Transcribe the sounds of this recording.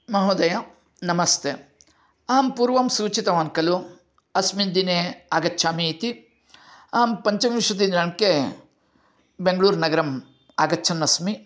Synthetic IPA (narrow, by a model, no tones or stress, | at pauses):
mɐɦoːd̪ɐja | nɐmɐst̪ʰe | aːmpuːɾʋɐmsuːt͡ʃit̪ɐʋaːnkɐlu | ɐsmind̪ineaːɡɐtːʃʰaːmit̪i | aːmpɐɲt͡ʃɐmiʂɐt̪̬inɾɐnke | beŋɡɐɭuːɾnɐɡɐɾɐm | aːɡɐtːt͡ʃʰɐnːɐsmi